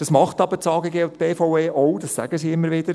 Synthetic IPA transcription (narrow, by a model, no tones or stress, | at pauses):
d̥ɑsmɑχt̪ɑbət͡sɑːɡeɡeːʊt̪b̥eːfɔʊeːɔwdɑssæ̰ɡ̥əsiːɪmːəɾʋɪd̥̪əɾ